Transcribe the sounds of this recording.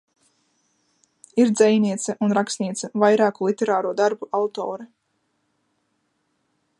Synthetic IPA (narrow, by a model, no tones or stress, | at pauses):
iɾd̪zɛjniɛt̪sɛʔunɾaksniɛt̪sɛvajɾaːkulˠit̪ɛɾaːɾuɔd̪aɾbuʔawt̪ɔːɾɛ